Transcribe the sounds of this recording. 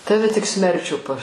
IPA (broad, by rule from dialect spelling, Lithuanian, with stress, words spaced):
ˈtɑːʋʲɛ tʲɪk ˈsʲmʲɛrʲt͡ʃʲuː pɐ